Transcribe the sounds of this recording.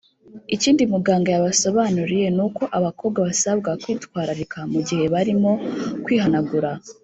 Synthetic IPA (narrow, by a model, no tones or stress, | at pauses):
iciːndimuɡaːŋɡajaβasoβaːnuɾije̞nuko̞ʔaβakʰo̞ːβɡwaβasabɡakwiːtwaːɾaɾikʰamuɟihe̞βaɾimo̞kwiːɦanaɡuɾa